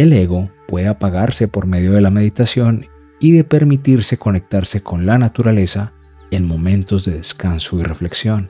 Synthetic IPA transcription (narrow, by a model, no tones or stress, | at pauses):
e̞leɣo̞pwe̞ðeapaɣaɾse̞po̞ɾme̞ð̞jo̞ð̞e̞lame̞ðit̪asjo̞n | iðe̞pe̞ɾmit̪iɾse̞ko̞ne̞k̚t̪aɾse̞ko̞nlanat̪uɾale̞sa | e̞nmo̞mẽ̞nt̪o̞zðe̞ðe̞skansoire̞fle̞ksjo̞n